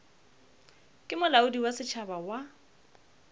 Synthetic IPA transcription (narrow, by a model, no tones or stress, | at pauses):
kʼɪmʊlaʊdiwasɪt͡ʃʰabawa